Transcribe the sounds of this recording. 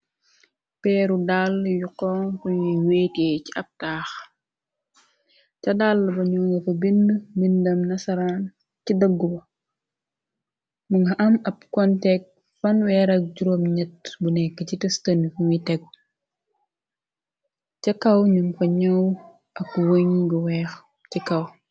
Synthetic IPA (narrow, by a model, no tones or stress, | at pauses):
pɛːɾudaljukɔŋfuɲiwɛːtɛciʔɐp̚taːx | cɐdaːlːɐbɐɲuːŋɡɐfɐbinːəbindɐmnɐsɐɾaːn | cidɐɡːubɐ | muŋɡɐʔɐmɐb̚kɔntɛk̚ | fɐnwɛːɾɐk̚ɟuɾomɲɛt̚bunɛkːəcitɛstɐnːifuŋitɛɡ̚ | cɐkɐwɲumfɐɲɐw | ʔɐkːuwoɲɡɐwɛːx | cikɐw